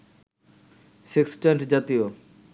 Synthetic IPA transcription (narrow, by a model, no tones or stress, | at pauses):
siksʈeɳʈd͡ʑat̪io